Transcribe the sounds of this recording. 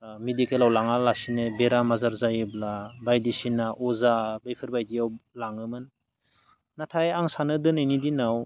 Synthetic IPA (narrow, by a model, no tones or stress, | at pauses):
medikelawlaŋalasinɯbeɾamazaɾzajɯblabajdisinaʔɔzabajpʰɯɾbajdijawlaŋɯmɯn | natʰajaŋsanɯdɯnɯjnidinaw